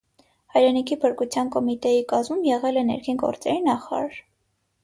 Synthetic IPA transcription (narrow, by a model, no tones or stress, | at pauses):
hɑjɾɛnikʰipʰəɾkut͡sʰjɑnkɔmit̪ɛjikɑzmumjɛʁɛlɛnɛ̰ɾkʰinɡɔ̰ɾt͡sɛɾinɑχɑɾɑ̰ɾ